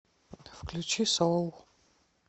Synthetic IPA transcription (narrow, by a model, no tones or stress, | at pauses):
fklʲut͡ʃisowɔlˠ